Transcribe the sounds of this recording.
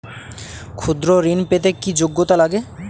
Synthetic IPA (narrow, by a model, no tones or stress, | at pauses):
kʰud̪ɾoɾinpet̪ekid͡ʑoɡːot̪alaɡe